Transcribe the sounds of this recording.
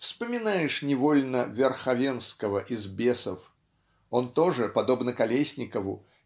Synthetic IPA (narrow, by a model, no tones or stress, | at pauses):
fspɐmʲinajɛʂnʲɛvɔlʲnɐvʲɛrxavʲɛnskɐvɐʔizbʲɛsɐf | ɔnt̪ɔʐɨpad̪ɔbnɐkalʲesʲnʲikəvṵ